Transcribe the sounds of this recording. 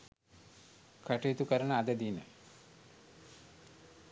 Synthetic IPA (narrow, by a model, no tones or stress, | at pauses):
kaʈeːt̪ukəɾənəad̪əd̪iːnə̰